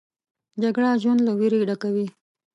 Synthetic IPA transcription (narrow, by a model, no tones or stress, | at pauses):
d͡ʒaɡɽaʒwand̪lawiɾiɖakawi